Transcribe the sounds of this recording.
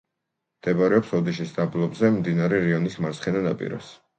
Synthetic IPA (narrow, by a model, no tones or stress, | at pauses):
md̪̥ɛbaɾɛɔpsɔd̪iʃisd̪ablˠɔbzɛmd̪inaɾɛɾiɔnismaɾsχɛnanapʼḭɾɔ̰s